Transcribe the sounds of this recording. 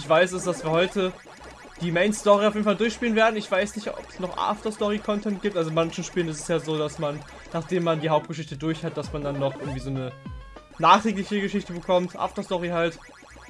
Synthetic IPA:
ɪçv̥aɪs̬ɪsd̥asv̥iːɐɦɔʏtə | d̥iːmeɪnstɔʁiaʊfjeːdn̩faldʊɐçʃpiːlənveːɐdn̩ɪçv̥aɪsnɪçtɔ̰pə̥snɔχʔa̰ːftɐstɔʁikʰɔntʰɛnt̚ɡ̥iːp̚tʔalzomançn̩ʃpiːlənɪsɛ̥sjaːzoːdasman | naːχd̥eːmːandiːɦaʊp̚t̚ɡ̥əʃ̬ɪçtədʊɐçhat̚d̥asmandanːɔχʔɪɐɡŋ̩tv̥iːzoːnə | naːχtʁ̥iːk̬lɪçəɡəʃɪçtəbəkʰɔmtʔa̰ːftɐstɔʁiɦalt

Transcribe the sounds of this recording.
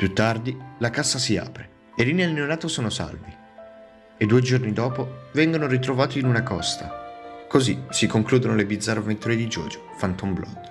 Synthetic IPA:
pjut̪ːard̪ilakasːasia̰ːpɾe | erinelneonaːt̪osoːnosa̰lvi | ed̪ːuːed͡ʒornid̪ɔːpovɛŋɡonoɾit̪ɾovaːt̪iːnunakɔst̪akozisikoŋkluːd̪onolebid̪zːarːavent̪uɾed̪id͡ʒɔ̰ːd͡ʒo̥fant̪omblʔɔ̰d̪

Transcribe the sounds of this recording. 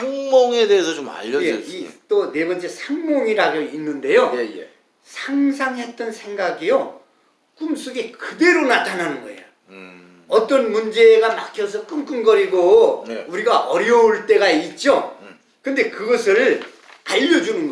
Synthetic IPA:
saŋmoŋe̞deesʰʌt͡ɕoma̰ʎːʌjd͡ʑeiit͈one̞bʌnt͡ɕʰesʰaŋmʌŋiɾaɡoinːɯnde̞jojjḛ | sʰaŋsʰaŋɦe̞t̚t͈ʌnsʰe̞ŋɡaɡijo | k͈ums͈uɡekɯde̞ɾonatʰanɦanɯnɡʌ̰e̞̰jo | ʌt͈ʌnmund͡ʑe̞ɡanak͈ʰjʌs̬ʰʌk͈ɯnk͈ɯnɡʌɾiɡouɾiɡaʔʌɾjʌuɭt͈e̞ɡait̚t͡ɕ͈o | kɯnde̞kɯɡʌsʰɯɭ | aʎːʌd͡ʑunɯnɡ

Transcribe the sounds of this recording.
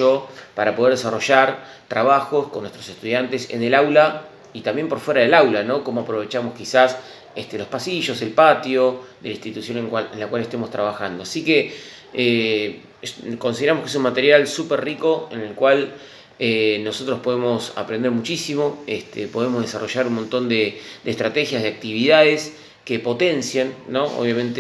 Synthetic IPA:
opaɾapoð̞eɾðesaro̞ʒaɾ | t̪ɾaβaxo̞skonːwest̪ɾose̞st̪uðjant̪e̞sḛnelawla | it̪ambje̞mpo̞ɾfwe̞ɾaðelawlano̞ko̞moapɾo̞βe̞t͡ʃamoskisas | est̪elo̞spasiʒo̞se̞lpat̪jo̞d̪elaĩnst̪it̪usjo̞neŋkwaenlakwalest̪emo̞st̪ɾaβaxand̪o̞asike | e | ko̞nsiðeɾamoskeesunmat̪e̞ɾjalsuperriko̞ḛnelkwal | eno̞so̞t̪ɾospo̞ðemo̞sa̰pɾe̞nd̪eɾmut͡ʃisimo̞est̪ʰepoð̞emozð̞e̞sa̰rʔo̞ʒaɾunmõ̞nt̪o̞nd̪ed̪est̪ɾat̪e̞xjazð̞eak̚t̪iβiðaðes | ke̞po̞t̪e̞nsjanːo̞ʔo̰βjamẽnt̪e

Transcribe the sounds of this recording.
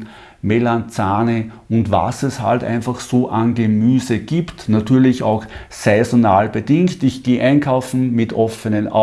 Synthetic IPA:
melant͡saːni | ʊntva̰sɛsha̰ltæ̰ɪnfaχsoːʔanɡəmyːzəɡ̥iːptnatyːɐlɪça̰ʊx | sɛɪzonaːlb̥ədɪŋktɪçɡ̥eːʔæɪnkʰaʊfn̩mɪtʔɔfənənʔa̰

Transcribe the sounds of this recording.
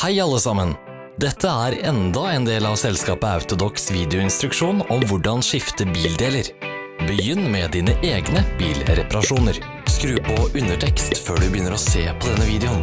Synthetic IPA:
hæɪɑlːəsɑmən | d̪ɛt̪ʰːəæɾɛnd̪ɑɛːnd̪eːlɑʋsɛlskɑːpəɑʉt̪ʊd̪ɔksʋiːd̪ɛʊɪnst̪ɾʉkʂuːnɔmʋʊɖɑnʂɪft̪əbiːld̪eːləɾ | bəjʏnːmɛd̪iːnəʔeːɡnəbiːlɾɛpɑɾɑʂuːnəɾ | skɾʉːpʰɔʉnːəʈʰɛkst̪føːɖʉbəjʏnːəɾɔseːpʰɔd̪ɛnːəʋiːd̪ɛʊn

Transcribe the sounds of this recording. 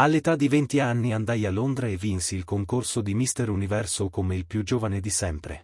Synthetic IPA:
alːet̪ad̪ːivent̪ianːiand̪ajalːond̪ɾaevːinsiːlkoŋkorsod̪imist̪eɾunivɛrsokomeilpjud͡ʒoːvaned̪isɛmpɾḛ

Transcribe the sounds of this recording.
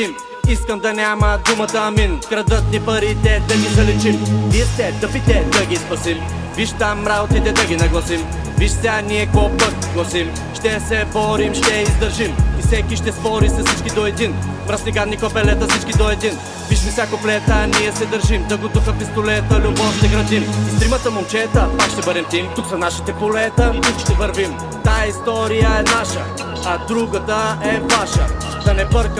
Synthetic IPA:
im | iskəmd̪ɐnʲamɐd̪umɐt̪ɐːminkɾɐd̪ət̪nipəɾit̪ɛd̪ɐɡizɐlit͡ʃimniɛst̪ɛd̪ɐpit̪ɛd̪ɐɡispɐsim | viʃt̪amːɾaot̪it̪ɛd̪ɐɡʲinɐɡlˠɐsim | viʃsʲaniɛkɔpət̪ɡlˠɐsim | ʃt̪ɛsɛbɔɾimʃt̪ɛizd̪əɾʒimisɛkiʃt̪ɛspɔɾisɛsit͡ʃkid̪ɔɛd̪in | pɾɐsnɛɡad̪nikopɛlɛt̪ɐsit͡ʃkid̪ɔɛd̪in | piʃmisjakoplɛt̪əniɛsɛd̪ɐɾʒimd̪ɐɡut̪uxɐpist̪olɛt̪əlʲubɔfʃt̪ɛɡɾɐd̪imist̪ɾimɐt̪ɐmʊmt͡ʃɛt̪əpakʃt̪ɛbəɾɛmt̪imt̪uksɐnaʃi̥t̪ɛpolɛt̪əuʃt̪ɛvɐɾvim | t̪ajist̪ɔɾijəɛnaʃəː | d̪ɾuɡət̪əɛvaʃɐ | d̪ɐnɛpəɾk

